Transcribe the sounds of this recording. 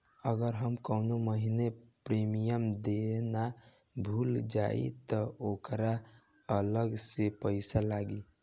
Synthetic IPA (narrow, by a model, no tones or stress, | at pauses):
əɡəɾɦəmkəʊnoməɦinepɾemijəmd̪ena | bʱuld͡ʒa̰ḭt̪əokɾa | ələɡsepəɪsalaɡi